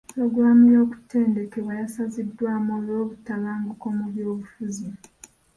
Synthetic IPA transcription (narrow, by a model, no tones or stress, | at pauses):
pɾo̞ɡɾamujo̞ːku̥tʰe̞ːnde̞ke̞βwajasazidːwaːmoːβo̞ːβutːalaːŋɡuko̞muljo̞ːβufuzi